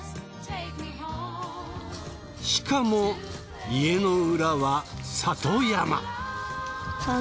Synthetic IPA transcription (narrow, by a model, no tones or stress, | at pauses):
ɕi̥kamo̞ | ie̞no̞ɯɾaβasat̪ojama̰